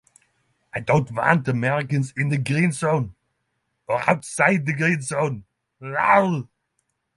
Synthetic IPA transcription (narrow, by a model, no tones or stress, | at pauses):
aɪdõʊ̃ntvã̰ntəmɛɹɨkɨ̃nzɨ̃nðɨɡɹĩnzõʊ̃n | ə˞a̰ʊtsaɪd̪̚ðɨɡɹĩnzõʊ̃n | ɹa̰ʊl